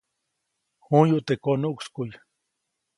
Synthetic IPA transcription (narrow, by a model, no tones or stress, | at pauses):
hujuʔt̪ekonuʔkskuj